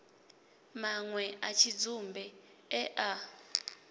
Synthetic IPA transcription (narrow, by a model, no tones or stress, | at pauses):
maŋwɛat͡ʃʰid͡zumbʱɛ | ɛʔa